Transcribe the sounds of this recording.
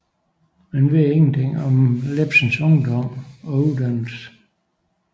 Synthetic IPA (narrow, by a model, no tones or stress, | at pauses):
menʋe̝e̝ŋn̩t͡sʰeŋ̰ɒ̽mleb̥sn̩sɔ̽ŋd̥ɒ̽m̰ɒ̽uðˠd̥ænl̩sə